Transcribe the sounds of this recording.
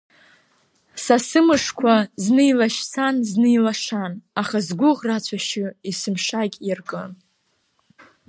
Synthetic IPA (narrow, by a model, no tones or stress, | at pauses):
sasɨmɨʂkʷʰaznɨjlaʃsʰanznɨjlaʂanaχazɡʷʊʁrat͡ɕʷʰaʃɪisɨmʂakʲʼirkʼɨn